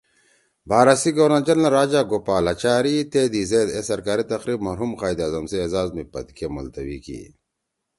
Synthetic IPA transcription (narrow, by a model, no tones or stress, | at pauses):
baːɾasiɡowɾnad͡ʑɐlnaɾaːd͡ʑaɡopaːlat͡ɕaːɾit̪eːd̪izeːd̪esɐɾkaːɾit̪ɐqɾiːbmɐɾɦumqaːjd̪aːzɐmseːzaːzmipɐ̰d̪kʰemɐ̰lt̪ɐwḭkḭː